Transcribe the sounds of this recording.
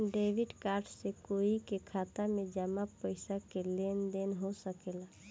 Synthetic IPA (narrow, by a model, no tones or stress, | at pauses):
ɖeːʋɪɖkaːɾɖsekoːikekʰaːt̪amẽd͡ʒəmapəɪsakeleːnd̪eːnɦosəkela